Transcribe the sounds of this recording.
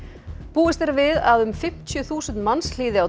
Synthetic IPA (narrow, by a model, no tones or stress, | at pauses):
puːɪst̪ɛɾvɪða̰ðʏmfɪm̥t̪ʰjʏθuːsʏnt̪mansl̥iːðɪaw